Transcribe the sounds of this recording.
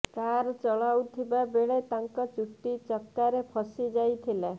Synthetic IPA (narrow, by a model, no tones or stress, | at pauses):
kaɾt͡ʃɔɭawt̪ʰibabeɭet̪aŋkɔt͡ʃuʈːit͡ʃɔkːaɾepʰɔsid͡ʒajt̪ʰile